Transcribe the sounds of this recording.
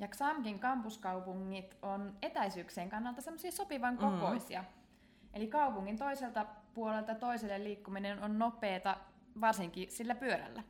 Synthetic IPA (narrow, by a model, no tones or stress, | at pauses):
jɑksɑmkiŋkɑmpuskɑupuŋːit̪onet̪æjsyːkseːŋkɑnːɑlt̪ɑsemːosiɑsopiʋɑŋkoko̞isiɑ | ʔelikɑupuŋːint̪o̞iselt̪ɑpuolelt̪ɑt̪oiselːelliːkːuminenonnopˑeːt̪ɑ | ʋɑrsiŋkisilːæpyøɾæ̰lːæ